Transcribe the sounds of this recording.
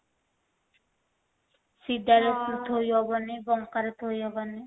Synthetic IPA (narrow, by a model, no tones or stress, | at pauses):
sid̪aɾesuɾt̪ʰojɔbanibɔŋkaɾet̪ʰojɔbani